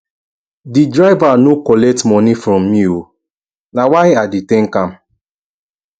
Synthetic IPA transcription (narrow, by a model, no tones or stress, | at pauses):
didɾaɪvanokɔlɛk̚tmɔnifɾɔ̃mːio | nawaɪaditẽŋ̩kam̩